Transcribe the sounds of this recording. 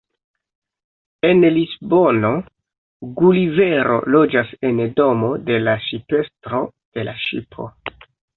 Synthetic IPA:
e̞nlisbo̞no̞ | ɡulive̞ɾʔo̞̰lo̞d͡ʒase̞ndo̞mo̞de̞laʃipe̞stɾo̞ | d̥e̞laʃḭpʰo̞̰

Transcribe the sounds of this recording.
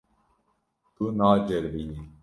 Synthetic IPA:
t̪unaːd͡ʒɛɾbiji

